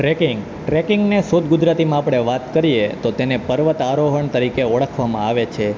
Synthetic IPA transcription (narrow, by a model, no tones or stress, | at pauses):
ʈɾekɪ̃ŋɡ | ʈɾekɪŋɡnesod̪̚ɡʊd͡ʒɾat̪imãapɽ̃eʋat̪kəɾijet̪ot̪enepəɾʋət̪aɾoɦəɳt̪əɾikeəɭəkʰʋamãaʋet͡ʃʰe